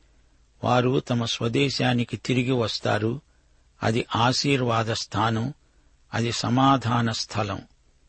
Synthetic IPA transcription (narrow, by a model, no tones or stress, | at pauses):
ʋaːɾut̪ɐmɐsʋɐd̪ɛːʃaːnikit̪iɾiɡiʋɐst̪a̰ːɾu | ɐ̰d̪iʔaːʃiːɾʋaːd̪ɐst̪ʰaːnɐm | ɐd̪isɐmaːd̪ʱaːnɐst̪ʰɐlɐ̰m